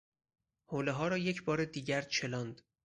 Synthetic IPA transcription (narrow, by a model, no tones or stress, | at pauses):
hoːleɦɒːɾɒːje̞cʰbɒːɾed̪iːɟæɾt͡ʃʰe̞lɒːnd̪̥